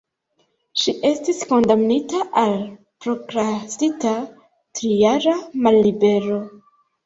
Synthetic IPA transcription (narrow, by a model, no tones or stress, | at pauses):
ʃiʔe̞stisko̞ndamnitaʔal | pɾo̞ɡɾastita | tɾijaɾamalːibe̞ɾo̞